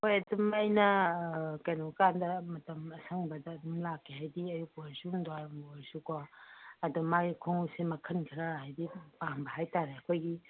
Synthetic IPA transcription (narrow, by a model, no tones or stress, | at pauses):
hojɐdumejnɐ | kɐjnokandɐmɐtɐmɐsʰɐŋbɐdɐːdumlakʰːehajdiɐjuk̚bɐzuŋdoaɾmsukaɐdumaɡikʰoŋusemɐkʰɐnkʰɾɐhajdipaŋbɐhajtaɾeɐkʰojɡi